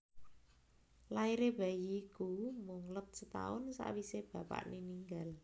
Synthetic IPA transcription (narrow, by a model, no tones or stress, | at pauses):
laiɾeb̥a̤jiːkumʊŋləp̚sət̪a̰ʊnsa̰ʔwiseb̥ä̤pa̰ʔniniŋɡal